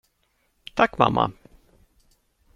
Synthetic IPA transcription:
t̪ʰakːma̰mːʔa̰

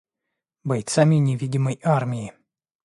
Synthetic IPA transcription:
bɐjt̪samʲɪnʲɪvʲidʲɪməjarmʲɪɪ

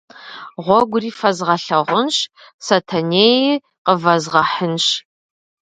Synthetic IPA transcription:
ʁʷɔɡʷʊriːfɐzʁɐɬɐʁʷʊnɕ | sɐtʰɐneːjɪ | qəvɐzʁɐħənɕ

